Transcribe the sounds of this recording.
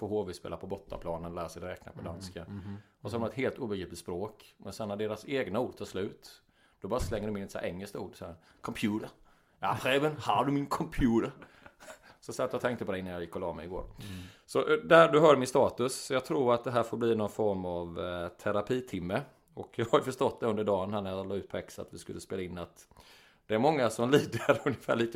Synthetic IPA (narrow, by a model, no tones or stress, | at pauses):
fɔɦoːvɪspḛːlapʰɔbɔt̪ʰːa̰pʰlɑːnənlæːɾasɛɪd̪ɾɛːkna̰pʰɔd̪anska | ɔsɔhaːɾd̪ɔnmɛt̪heːlt̪uːbɛɡɾiːplt̪spɾoːkmʔɛnsɛnːaɖ̪eːɾaseːɡnauːɖ̚t̪ʰɑːslʉ̟ːt̪ | d̪̥ɔbɑːɾaslɛŋːəɖ̪ɔmɪnɪt̪sæ̰ʔɛŋːɛlst̪aṵːɖsɛ | kʰɔmpʰjʉːɾəɾ | japʰɾɛvənhadɵmɪnkʰɔmpʰjʉːɾəɾ | sɔsat̪jɑɡt̪ʰɛŋkt̪əbɑːɾaɪnːæɾjɑjɪkːɔlɑ̰ːmɛ̰jɪɡo̰ːɾsɔd̪ɛæːdɵɦœːɖəmɪnst̪ɑːt̪ɵsɔjɑːɡ̚t̪ʰɾuːɾat̪̚d̪ɛɦæːɾfoːɾbliːnɔnfɔɾmavt̪ʰæɾapʰiːt̪ʰɪmːə | ɔkʰjɑɡhajɵfəʂt̪ɔt̪̚ːd̪ɛɵnd̪əɖɑːənhæːɳæjɑlɑːʉ̟ːt̪pʰɔɛksaa̰t̪vʋɪskɵlːəspeːlaɪnːat̪ | d̪̥ɛæɾmɔŋːasɔmliːd̪əɾɵnjəfæ̰ːɭiːt̪ə